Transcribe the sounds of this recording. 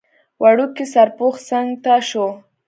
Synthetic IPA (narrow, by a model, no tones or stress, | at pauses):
wʔaɽʊkɪsaɾpoχsaŋt̪aʃo